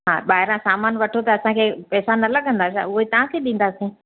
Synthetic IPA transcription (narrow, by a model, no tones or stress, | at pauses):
ɦaːɓaːɦɪɾãsaːmaːnʋɐʈʰot̪ɐːsãkʰeːpɛːsanɐlɐɠʱə̃nd̪aːsa̰ʊɦet̪ɐʋ̤ãkʰeɗĩːn̆d̪aːsĩː